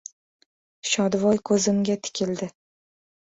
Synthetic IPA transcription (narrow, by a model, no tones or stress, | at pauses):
ʃɒd̪vɒjkʰɵzɪmɡʲat̪ʰɪ̥kʲʰɪld̪ɪ